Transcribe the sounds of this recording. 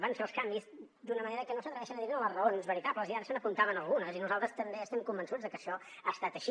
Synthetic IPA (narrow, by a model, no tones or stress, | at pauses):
baɱfelˠskambiz | d̪unəməneɾəkɛnosət̪ɾəβɛʃənəðiɾələzrəonzβəɾit̪apləziaɾəsənəpunt̪aβənəlˠɣunəzinuzalˠt̪ɾəst̪əmbeəst̪ɛmkumbənsud͡zðəkəʃɔ | ast̪at̪əʃi